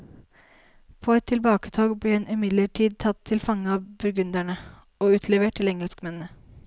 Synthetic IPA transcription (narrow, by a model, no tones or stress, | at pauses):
pʰoːɛt̪ʰːɪlbɑːkət̪ʰoːɡbliːɛnʔʏmɪd̪ləʈʰiːd̪̚t̪ʰɑt̪ʰːɪlfɑŋəɑbʉɾɡʉnd̪æɳə | oːʉːt̪ʰleːʋəʈʰːɪlɛŋəlskmɛnnə